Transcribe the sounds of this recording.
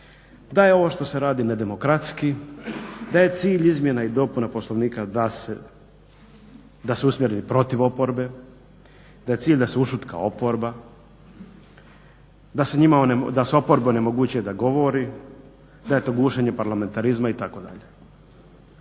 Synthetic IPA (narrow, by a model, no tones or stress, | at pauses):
d̪ajeo̞ʋo̞ʃt̪o̞se̞ɾaːd̪ine̞d̪e̞mo̞kɾat̪ski | d̪aje̞t̪siːʎizmje̞naid̪o̞punapo̞slo̞ʋniːkad̪ase | d̪asuusmjeɾenipɾo̞t̪iʋo̞po̞ɾbe̞ | d̪aje̞t̪siːʎʲd̪aseuʃut̪ka̰o̞po̞ɾba | d̪aseɲimaoned̪aso̞po̞ɾbeone̞mo̞ɡuːt͡ɕujed̪aɡo̞ʋo̞ɾi | d̪aje̞t̪o̞ɡuːʃeɲe̞paɾlame̞nt̪aɾizmait̪ako̞d̪a̰ʎe